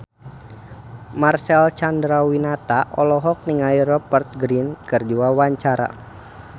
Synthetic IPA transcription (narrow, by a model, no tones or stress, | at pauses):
marsɛlt͡ʃandɾawinat̪aʔɔlɔɦɔk̚niŋairɔpərt̪̚ɡɾinkɨrd͡ʒuawaɲt͡ʃaɾa̰